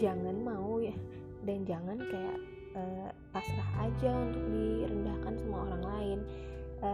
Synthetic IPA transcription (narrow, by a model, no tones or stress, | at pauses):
d͡ʒaŋanmauja | dand͡ʒaŋankaja̰ʔ | əpaslahad͡ʒaunt̪ʊk̚diɾəndahkansamuaoɾaŋlaɪnʔə